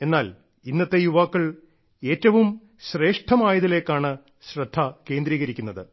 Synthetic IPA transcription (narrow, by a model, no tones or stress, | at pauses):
e̞nːaːl | inːɐt̪ːe̞juʋaːkːɐɭ | e̞ːtːɐʋum | ɕre̞ːʂʈʰɐmaːjɐðile̞ːkːaːɳɨ | ɕrɐd̪ʱːɐke̞ːnd̪ɾiːɣɐɾikʲːunːɐðɨ